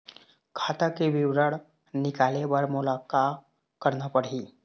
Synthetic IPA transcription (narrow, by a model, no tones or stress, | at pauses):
kʰat̪akeʋiwɾəɽ | nikalebəɾmulaka | kəɾnəpəɽɦiː